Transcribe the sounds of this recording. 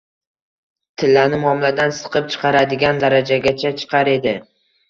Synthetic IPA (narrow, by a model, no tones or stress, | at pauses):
t̪ʰɪlːanɪmɒmlad̪ansɨ̥qʰɨp̚t͡ʃʰɨ̥qʰɑɾad̪ɪɡʲand̪aɾad͡ʒaɡʲat͡ʃʰat͡ʃʰɨ̥qʰɑɾe̞d̪ɪ